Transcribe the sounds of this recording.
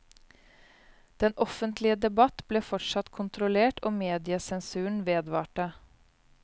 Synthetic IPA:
d̪̥ɛnʔɔfənt̪lɪəd̪ɛbɑt̪bleːfɔʈʂɑt̪kʰʊnt̪ɾʊleːʈɔːmeːd̪ɪəsɛnsʉːɳ̩ʋeːd̪ʋɑːʈə

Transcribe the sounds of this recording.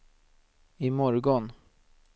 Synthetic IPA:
ɪmɔɾɡɔn

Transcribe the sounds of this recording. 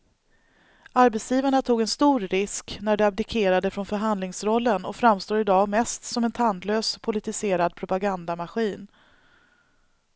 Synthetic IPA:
aɾbɛt̪sjiːvaɳat̪ʰuːɡɛnst̪uːɾɾɪsknæɖɛab̚d̪ɪkʰeːɾad̪əfɾɔnfœɾɦand̪lɪŋsɾɔlːənɔ̰fɾamst̪oːɾɪd̪ɑːɡmɛst̪sɔmɛnt̪ʰand̪løːspʰʊlɪt̪ɪseːɾad̪̚pʰɾʊpaɡand̪amaɧiːn

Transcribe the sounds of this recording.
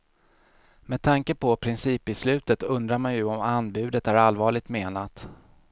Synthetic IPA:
mɛːd̪̚t̪ʰaŋkəpʰɔpʰɾɪnsiːpɪslʉ̟ːt̪ət̪ɵnd̪ɾaɾmanjɵɔmanːbʉ̟ːd̪ət̪æɾalvɑːɭɪɡ̚t̪meːnat̪

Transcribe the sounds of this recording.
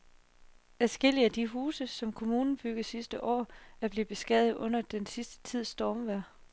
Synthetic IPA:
æsɡ̥e̝l̰iæd̥iɦuːsəsɒ̽mkʰo̝muːnn̩b̥yɡ̥ð̩ˠsisd̥əʔɒ̰ːæɐb̥le̝b̥e̝sɡ̥ɛðð̩ˠʔɔ̽n̰ɐd̥ensisd̥ə̥t͡sʰið̞̰ˠsd̥ɒːmʋæɐ̰

